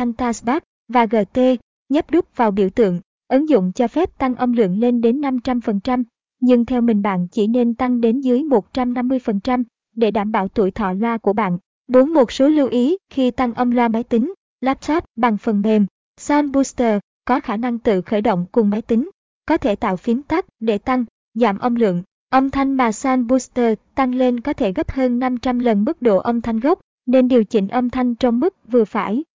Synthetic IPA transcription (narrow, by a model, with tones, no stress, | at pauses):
a˧ŋt̪aː˧sɓaː˦˥k̚ | vaː˨˩ɣəː˨˩t̪e˧ | ɲə˦˥p̚ɗʊ˦˥k͡p̚vaː˨˩wɓḭ˧˩əwt̪ɨ̰˧˨əŋ | ʔɨ˨˦ŋzʊ̰˧˨ŋ͡mt͡ɕɔ˧fɛ˦˥p̚t̪a˧ŋʔə˧wŋ͡mlɨ̰˧˨əŋle˧nɗe˨˦nːa˧mt͡ɕa˧mfə˨˩nt͡ɕa˧m | ɲɨ˧ŋt̪ʰɛ˧wmï˨˩ŋ̟ɓa̰ː˧˨nt͡ɕḭ˧˩ne˧nt̪a˧ŋɗe˨˦nzɨ˨˦jmo˨˩t̚t͡ɕa˧mna˧mːɨ˧əjfə˨˩nt͡ɕa˧m | ɗe˧˩ɗaː˧˩mɓa̰ː˧˩wt̪ṵ˧˩əjt̪ʰɔ̰˧˨lwaː˧ku˧˩əɓa̰ː˧˨n | ɓu˨˦nmo˨˩t̚so˨˦lu˧wʔi˨˦xi˧t̪a˧ŋʔə˧wŋ͡mlwaː˧ma˨˦jt̪ï˨˦ŋ̟ | laː˦˥p̚sɔ˦˥t̚ɓa˨˩ŋfə˨˩nɓe˨˩m | saː˧nɓu˧st̪əː˧˩ | kɔ˨˦xaː˧˩na˧ŋt̪ɨ̰˧˨xəː˧˩jɗə̰˧˨wŋ͡mkʊ˨˩ŋ͡mmaː˨˦jt̪ï˨˦ŋ̟ | kɔ˨˦t̪ʰe˧˩t̪a̰ː˧˨wfi˨˦ənt̪a˦˥k̚ɗe˧˩t̪a˧ŋ | zaː˧˩mʔə˧wŋ͡mlɨ̰˧˨əŋ | ʔə˧wŋ͡mt̪ʰa˧jŋɓaː˨˩saː˧nɓu˧st̪əː˧˨˩t̪a˧ŋle˧nkɔ˨˦t̪ʰe˧˩ɣə˦˥p̚həː˧nːa˧mt͡ɕa˧mlə˨˩nmɨ˦˥k̚ɗo̰˧˨ʔə˧wŋ͡mt̪ʰa˧jŋ̟ɣə˦˥wk͡p̚ | ne˧nɗi˨˩əwt͡ɕï˧˩ŋ̟ʔə˧wŋ͡mt̪ʰa˧jŋ̟t͡ɕɔ˧wŋ͡mmɨ˦˥k̚vɨ˨˩əfa̰ː˧˩j